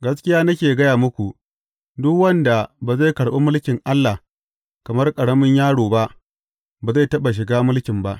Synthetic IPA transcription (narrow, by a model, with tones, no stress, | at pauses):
ɡɐ˦s̬kʲɪ˦jaː˦nɐ˦kʲeː˨ɡɐ˦jaː˨mʊ˦kʷu˨ | dʊ˦kwɐ˦nda˨baː˨ze˦˨kɐ˨ɽɓo̰ː˦mʊ˦lkʲɪ˨ŋʔa˦lːa˨ | kɐ˨mɐ˦rkʼɐ˨ɽɐ˦mɪ˦ɲjaː˦ɽoː˨ba˦ʔ | baː˨za˦˨tɐ˦ɓa˨ʃ̬ɪ˨ɡaː˦mʊ˦lkʲɪ˨mba˦ʔ